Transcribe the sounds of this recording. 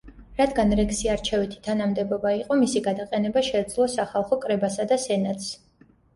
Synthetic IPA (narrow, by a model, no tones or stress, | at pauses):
ɾad̪ɡanɾɛksiaɾt͡ʃʰɛvit̪ʰi̥t̪ʰanamd̪ɛbɔbaiqʼɔmisiɡad̪aqʼɛnɛbaʃɛd̪zlˠɔsaχalˠχɔkʼɾɛbasad̪asɛnat̪ʰs